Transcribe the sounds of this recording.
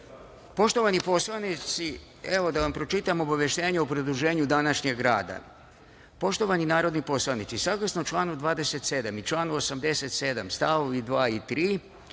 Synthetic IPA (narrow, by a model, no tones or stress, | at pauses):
po̞ʃt̪o̞ʋanipo̞slˠanit̪si | eʋo̞d̪aʋampɾo̞t͡ʃit̪amo̞baʋjeʃt̪e̞ːɲeopɾod̪ɾuʒe̞ːɲud̪anaʃɲeɡɾa̰ːd̪a̰ | po̞ʃt̪o̞ʋaninaːɾo̞d̪nipo̞slˠaʋnit̪sisaɡlˠasnot͡ʃlˠaːnud̪ʋaːd̪e̞se̞t̪se̞d̪amit͡ʃlˠaːnuosamd̪e̞se̞t̪se̞d̪amst̪aʋoʋid̪ʋaːit̪ɾiː